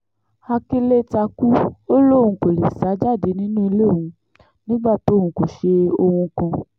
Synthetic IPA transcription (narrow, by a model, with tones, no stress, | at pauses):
a˧ki˦le˦ta˧ku˦o˦lo˦˨wũ˧˦ko˨le˨sa˨˦d͡ʒa˦˨de˨˦nĩ˦nũ˦i˧le˦˨wũ˨˧ | nĩ˦ɡ͡ba˦˨to˨˦˨wũ˧˦ko˨ʃe˧o˧wũ˧kã˧